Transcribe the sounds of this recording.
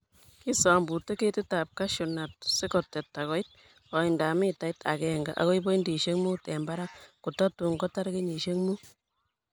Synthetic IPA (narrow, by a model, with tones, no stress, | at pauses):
ki˦sɔ˨mbu˨te˦ke˦tɪ˦ta˨p̚ka˦ʃu˨na˨t̚se˦kɔ˨tːɛ˨tːa˨kɔ˨˦i˦t̚ | kɔ˨i˨nda˨mi˦ta˨ita̰˨kɛ˨ŋɡa̰˨ʔa̰˦kɔ˦i˦bo˦i˦ndi˨ʃe˦ŋmu˦tɛ˨mba˦ɾa˦ku˨tɔ˦tu˨ŋɡɔ˦ta˦ɾke˦ɲi˨ʃe˦ŋmu˦